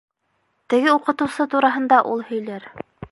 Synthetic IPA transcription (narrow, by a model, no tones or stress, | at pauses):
t̪ɘ̆ɡɘuqɤ̆t̪ɤ̆wsɤt̪uɾɑɦɤ̆nd̪ɑʔulˠhɵ̆jlæɾ